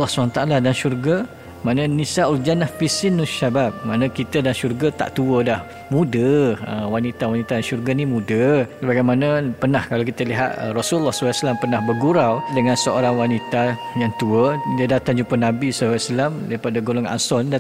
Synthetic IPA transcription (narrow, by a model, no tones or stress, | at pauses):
lɔhsumanat̪aʔaladanʃurɡa | manə̃nisauld͡ʒanahpisɪnːuʃabap̚mãnãkit̪ədanʃurɡat̪a̰ʔt̪uədah | mũdəəwanit̪awanit̪adanʃurɡanimudəsəbaɡajmanapənahkalakit̪əliɦa̰t̪̚ərɔsulːɔhsawaslampərnahbərɡuɾawdəŋãnsəoɾaŋwanit̪a | jaŋt̪uədiədat̪aŋd͡ʒumpənabisaaslamdaɾipadaɡolɔŋa̰nsɔnda